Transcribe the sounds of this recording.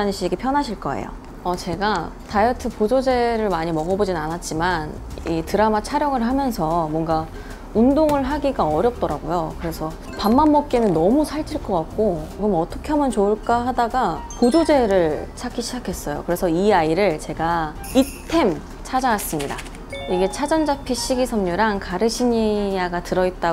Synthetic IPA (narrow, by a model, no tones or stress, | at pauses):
aɲɕ͈ʰiɡepʰjʌnɦaɕʰiɭk͈ʌ̰ḛjo̰ | ʌt͡ɕe̞ɡatajʌtʰɯpod͡ʑod͡ʑe̞ɾɯɭmaɲimʌɡʌbod͡ʑinɯnanat̚t͡ɕ͈iman | itɯɾamat͡ɕʰaɾjʌŋɯɭɦamjʌnsʰʌmwʌŋɡa | undoŋɯɭɦaɡiɡaʌɾjʌp̚t͈ʌɾaɡojokɯɾe̞sʰʌ | pamːamːʌp̚k͈e̞nɯnːʌmusʰaɭt͡ɕʰiɭk͈ʌk͈ak̚k͈oɾʌmʌt͈ʰʌkʰeɦamjʌnt͡ɕoɯɭk͈aɦadaɡakod͡ʑod͡ʑe̞ɾɯɭt͡ɕʰakʰiɕʰid͡ʑakʰe̞s͈ʌjo̰kɯɾe̞sʰʌiaiɾɯɭt͡ɕe̞ɡa | i | tʰe̞m | t͡ɕʰad͡ʑaɡas͈ɯmɲida̰ | iɡe̞t͡ɕʰad͡ʑʌnd͡ʑapʰiɕʰiɡisʰʌmɲuɾaŋkaɾɯɕʰiɲijaɡatɯɾʌit̚t͈a